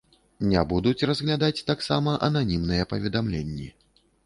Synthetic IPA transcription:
nʲɛbud̪ut͡sʲrɐzɣlʲad̪at͡sʲt̪aksamɐʔɐnanʲimnɨjɛpɐvʲɛd̪amlʲenʲːḭ

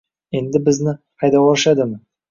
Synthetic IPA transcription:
e̞nd̪ɪbɪznɪqʰɑjd̪ɑwoɾʃɑd̪ɪmə

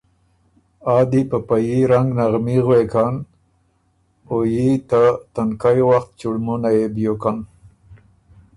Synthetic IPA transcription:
ɑd̪ipəpajiɾaŋɡnaɣmiɣwekan | ojit̪at̪ankajwaxt̪̚t͡ʃuɽmunajebjokan

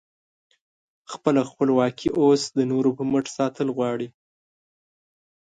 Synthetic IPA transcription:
xpəlaxpəlwɑkʰiʔosd̪ənoɾopəməʈsɑt̪əlɣwɑɽi

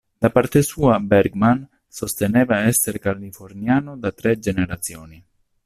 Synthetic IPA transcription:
d̪̥apart̪esuːabɛɾɡman | sost̪eneːvaɛsːeɾkalifornjaːnod̪at̪ɾɛd͡ʒeneɾat̪sjoːni

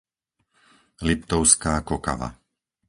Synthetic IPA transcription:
lipt̪ɔʊskaːkɔka̰ʋa̰

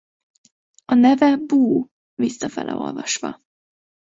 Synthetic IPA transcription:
ɒnɛvɛbuː | visːɒfɛlʔɛ̰o̞̰lvɒʃʋɒ

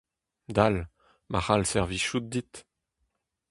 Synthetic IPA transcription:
d̪al | maχalsɛʁviʃut̪̚d̪it̪

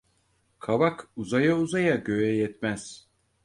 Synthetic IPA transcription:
kʰaβakuzajauzajaɟø̞jɛjɛt̪mæz̥

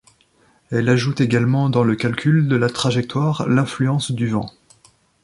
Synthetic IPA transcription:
ɛlaʒut̪eɡalmɑ̃d̪ɑ̃ləkʲalkʲyld̪əlat̪χaʒɛk̚t̪waʁlɛ̃flyɑ̃sd̪yvɑ̃

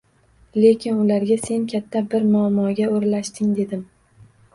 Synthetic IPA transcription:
le̞kʲʰɪnʊlaɾɡʲase̞nkʲʰat̪ʰːabɪɾmʊamːɒɡʲaoɾlaʃt̪ɪŋd̪e̞d̪ɪm

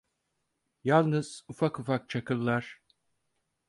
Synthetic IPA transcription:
jalˠnɯz̥ufakufak̚t͡ʃʰakʰɯlˠːaɾ̥

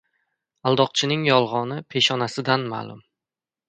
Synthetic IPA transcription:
alˠd̪ɒq̚t͡ʃʰɪnɪŋjɒlˠʁɒnɪpʰe̞ʃɒnasɪd̪anma̰lˠʊ̰m

